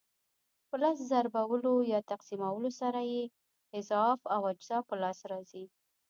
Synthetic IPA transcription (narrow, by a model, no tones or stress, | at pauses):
pəlɑs̬zaɾbawəlojɑt̪aqsimawəlosaɾaje | ɪzɑfawad͡ʒzɑpəlɑsɾɑzi